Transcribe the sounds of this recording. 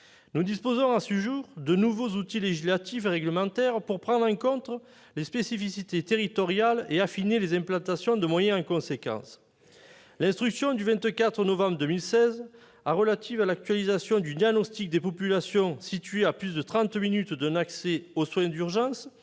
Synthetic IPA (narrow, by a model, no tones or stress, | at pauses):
nud̪ispozɔ̃ɑ̃səʒuʁd̪ənuvozut̪ileʒislat̪ifʁɛɡləmɑ̃t̪ɛʁpuʁpχɑ̃d̪ʁɑ̃kɔ̃t̪χə | lespesifisit̪et̪eʁit̪ɔʁjaleafinelezɛ̃mplɑ̃t̪asjɔ̃d̪əmwajɛ̃ɑ̃kɔ̃sekɑ̰̃s | lɛ̃st̪χyksjɔ̃d̪yvɛ̃nt̪kat̪χənɔvɑ̃bʁəd̪əmilsɛz | aʁəlat̪ivalak̚t̪ɥalizasjɔ̃d̪yd̪jaɡnɔst̪ik̚d̪epɔpylasjɔ̃sit̪ɥeaplysd̪ət̪χɑ̃t̪minyt̪d̪ɛ̃nakseoswɛ̃d̪yʁʒɑ̃s